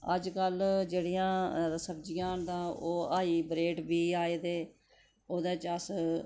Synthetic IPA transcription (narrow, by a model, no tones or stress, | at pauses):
əd͡ʒkəld͡ʒeːɽijãːsəbd͡ʒɪjãːnd̪ãːoːaːiːbɾeːʈbiːaːeːd̪eː | oːd̪eːt͡ʃəs